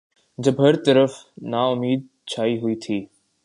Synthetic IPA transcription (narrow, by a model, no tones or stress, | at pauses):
d͡ʑɐbɦɐɾt̪əɾəfnaːʊmiːd̪̚ | t͡ɕʰaːiɦʊit̪ʰiː